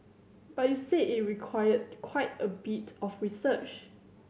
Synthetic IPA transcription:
b̥at̚juseʔit̚ɹikʰwajəd̚kʰwaɪtəbitɔfɹisət͡ʃ

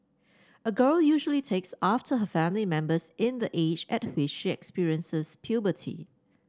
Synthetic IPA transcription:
əɡɜljuʒəlitʰeksaftʰəɦəfæ̃mlimɛ̃mbəsɪ̃nd̪əʔed͡ʒɛt̚wɪt͡ʃʃiɛ̰kspiɹiə̃nsəspʰjubətʰḭ

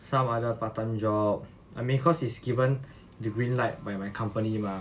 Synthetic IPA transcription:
sãmadəpatə̃nd͡ʒɔp̚ | amĩnkʰɔsisɡivə̃n | dəɡɹĩnlajt̚bajmajkʰãmpənimã

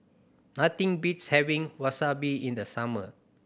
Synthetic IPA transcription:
nat̪ĩŋbitshɛvĩŋwasabiĩndəsamə̰

